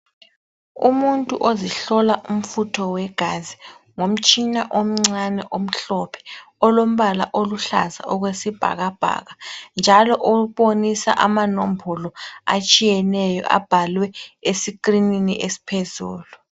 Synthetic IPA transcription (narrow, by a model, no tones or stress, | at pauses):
ṵmuntʼuʔoziɬɔlaʔum̩futʰɔwɛɡ̥ʱazi | ŋom̩t͡ʃʼinaʔom̩ŋ͡ǀanɛʔom̩ɬɔpʰɛ̥ | ɔlom̩βala̰ʔoluɬa̰za̰ʔɔɣwesib̥ʱa̰ɣab̥ʱa̰ɣand͡ʒʱalɔʔouɓonisa̰ʔamanombʱɔlɔa̰t͡ʃʼijɛnɛjɔ̰ʔa̰b̥ʱalwɛesikʼrininiʔesi̥pʰezṵːlu